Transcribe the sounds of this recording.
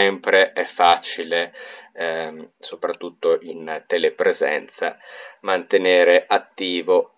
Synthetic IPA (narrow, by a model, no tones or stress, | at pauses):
ɛmpɾeʔɛfːat͡ʃile | sopɾat̪ːut̪ːoʔint̪elepɾezɛ̰nt̪sa̰mant̪eneːɾeʔat̪ːiːvo